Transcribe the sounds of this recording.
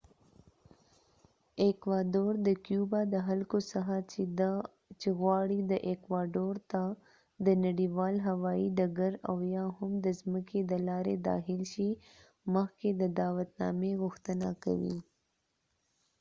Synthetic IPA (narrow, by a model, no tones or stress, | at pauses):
ekwɑɖoɾd̪əkjubad̪əɦalkosaxa | t͡ʃeɣwɑɽid̪əʔekwɑɖoɾt̪a | d̪ənaɽiwɑlɦawɑiɖaɡaɾawjɑhʊmd̪əzməkʰed̪əlɑɾed̪ɑ̰xɪlʃi | məxked̪əd̪ɑwat̪nɑ̰meɣʊxt̪ənaka̰wḭ